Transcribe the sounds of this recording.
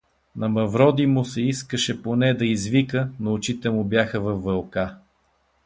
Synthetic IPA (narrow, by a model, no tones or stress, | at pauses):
nɐmɐvɾɔd̪imʊsɛiskəʃɛponɛd̪ɐizvikənoːt͡ʃit̪ɛmʊbjaxəvɐvːɐlˠka